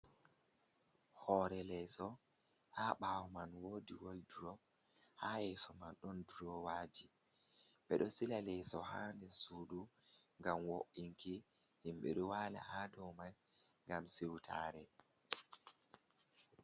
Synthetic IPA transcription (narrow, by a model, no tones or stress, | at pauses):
hɔɾɛlɛsɔ | haɓawmanwoːdiwolduɾɔ | hajɛsɔmanɗɔndɾɔwaːd͡ʒi | ɓɛɗɔsilalɛsɔhaːndɛsuːduŋɡamwoʔiŋkʰi | himɓɛ̰ɗɔwaːla̰hadɔwman | ŋɡamsiwtʰa̰ɾɛ